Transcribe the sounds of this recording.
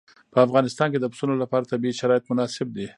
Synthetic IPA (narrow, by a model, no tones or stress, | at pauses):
pəafɣɑnɪst̪ɑnked̪əpʊ̥sunolapɑɾat̪abiiʃaɾɑjɪt̪mʊnɑsɪb̚d̪i